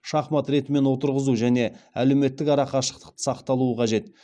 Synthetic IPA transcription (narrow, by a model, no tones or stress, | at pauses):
ʃɑχmɑt̪ɾe̞t̪ɪme̞nwo̞t̪əɾʁəzuʒæne̞æle̞wme̞t̪ːɪkɑɾɑqɑʃə̥q̚t̪ə̥qt̪ə̥sɑqt̪ɑlˠuəqʰɑʒe̞t̪